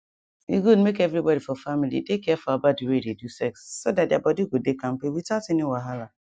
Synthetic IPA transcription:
iɡudmekevɾibɔdifɔfamilḭtekɛfɔabadiweɾedusɛksːodat̚dɪabɔdiɡʷodekam̩pewitatɪnɪwaɦala

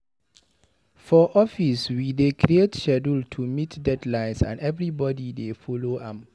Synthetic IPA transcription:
fɔʔɔfiswidekʰɾietʃɛdəltʰumitdɛdlãɪ̃nsã̰nɛvɹibɔdidefɔloʔãm

